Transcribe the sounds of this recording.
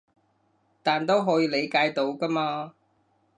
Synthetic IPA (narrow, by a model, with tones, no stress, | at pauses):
t̪aː˨nt̪o˥wɦɔː˨˧˥jiː˧le˨˧jkaː˧jt̪o˨˥wkɐ˥maː˧